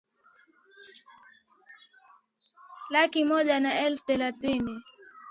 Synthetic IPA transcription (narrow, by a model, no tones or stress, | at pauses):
lakimɔʄanaɛlft̪ɛlat̪ini